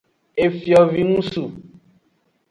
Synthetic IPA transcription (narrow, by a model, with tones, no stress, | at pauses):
e˨fi˨ɔ˨vi˨nũ˦su˨